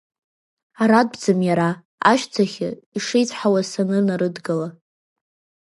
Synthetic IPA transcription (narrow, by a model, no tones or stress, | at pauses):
aɾad̚bd͡zɨmjaɾa | a̰ʃt͡sʰaχʲɪiʂejt͡sʰʼħawasanɨnaɾɨdɡɨla